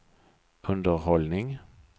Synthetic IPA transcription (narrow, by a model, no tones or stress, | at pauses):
ɵnd̪əɾhɔlnɪŋ